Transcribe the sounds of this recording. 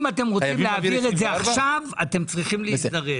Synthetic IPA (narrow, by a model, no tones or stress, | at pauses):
mate̞mʁot͡simleaviʁetzeaχʃavate̞mt͡sʁiχimlisd̪ɐʁe